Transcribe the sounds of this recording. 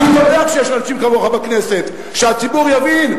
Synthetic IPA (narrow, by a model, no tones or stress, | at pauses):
ilojod̪eakʃejeʃanaʃimkavoχabakne̞se̞t̪ | ʃeat͡sibuʁjavin